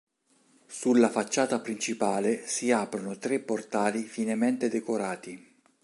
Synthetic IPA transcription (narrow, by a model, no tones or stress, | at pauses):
sulːafat͡ʃːaːt̪apɾint͡ʃipaːlesiaːpɾonot̪ɾepːort̪aːlifinement̪ed̪ekoɾaːt̪i